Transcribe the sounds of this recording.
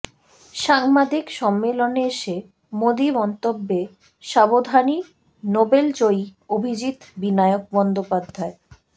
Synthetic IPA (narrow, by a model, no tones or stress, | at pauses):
ʃaŋmad̪ʱikʃɔmːeloneeʃe | mod̪ibɔnt̪obːe | ʃabod̪ʱani | nobelt͡ɕoiobʱid͡ʑit̪binajok̚bɔnd̪opad̪ʱːae